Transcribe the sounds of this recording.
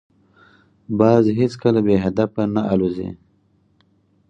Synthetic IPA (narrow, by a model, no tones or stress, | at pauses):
bɑːzɦet͡skəlabeɦad̪afanaalozḛ